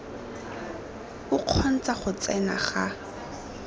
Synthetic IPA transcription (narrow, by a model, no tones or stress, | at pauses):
ʊq͡χʰɔn̩t͡saχʊt͡sɛna̰χa